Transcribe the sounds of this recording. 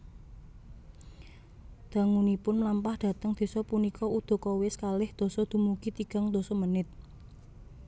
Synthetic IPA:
d̪̥a̤ŋunipʊnmlampahd̪̥ä̤t̪əŋd̪̥e̤sɔpunikʰɔud̪̥o̤kɔwɪskalɪhd̪̥o̤sɔd̪̥ṳmukit̪iɡ̥a̤ŋd̪̥o̤sɔmənɪt̪̚

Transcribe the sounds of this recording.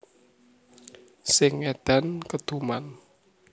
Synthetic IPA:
sɪŋed̪̥a̤nkəd̪̥uman

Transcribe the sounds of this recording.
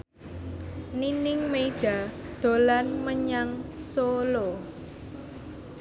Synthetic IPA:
ninɪŋmeiɖ̥a̤d̪̥o̤lanməɲaŋsolo

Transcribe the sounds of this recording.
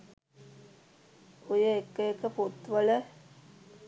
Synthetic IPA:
ojəekːəekəpot̪ʋələ

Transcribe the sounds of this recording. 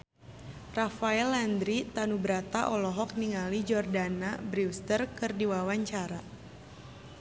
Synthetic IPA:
rafaɛland̪ɾit̪anubɾat̪aʔɔlɔɦɔk̚niŋalid͡ʒɔrdanabɾiwst̪ərkɨrdiwawaɲt͡ʃaɾa

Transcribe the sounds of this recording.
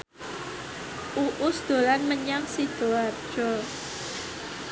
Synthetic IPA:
ʔuʔʊsd̪̥o̤lanməɲaŋsid̪̥o̤atd̥ʒ̥ɔ

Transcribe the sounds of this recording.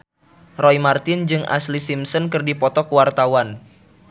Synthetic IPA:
rɔimart̪ɪnd͡ʒɨŋʔa̰slisimsɔnkɨrdipɔt̪ɔkuwart̪awan

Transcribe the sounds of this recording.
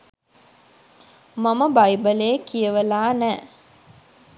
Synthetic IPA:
maməbajbəlekijəʋəlaːnæː

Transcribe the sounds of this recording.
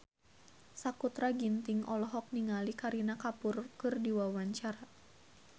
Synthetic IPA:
sakut̪ɾaɡint̪iŋʔɔlɔɦɔk̚niŋalikaɾinakapʊrkɨrdiwawaɲt͡ʃaɾa

